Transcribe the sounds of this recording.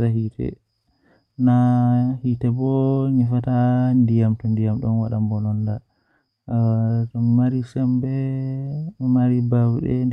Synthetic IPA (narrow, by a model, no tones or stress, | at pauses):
ɾahitɛ̰ | nahitɛbɔɲifatandijamtɔndijamɗɔnwaɗambɔnɔnda | tɔːaɾisɛmbɛ | maɾibawɗɛ̰